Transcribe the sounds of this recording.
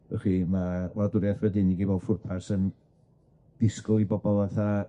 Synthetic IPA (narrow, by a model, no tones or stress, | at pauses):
ɛ̰riːmaladʊɾjaθwɛdɪniɡibɔlˠfʊrpʰasən | d̥ɪskʊlˠibɔbɔlˠaθa